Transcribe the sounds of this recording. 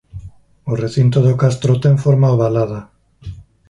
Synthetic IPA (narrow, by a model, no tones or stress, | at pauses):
oreθint̪oðokast̪ɾot̪eɱfoɾmaoβalaða